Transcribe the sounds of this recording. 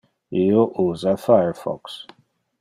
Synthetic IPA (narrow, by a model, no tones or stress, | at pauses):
ijoʔuzafajə˞fɔ̰ks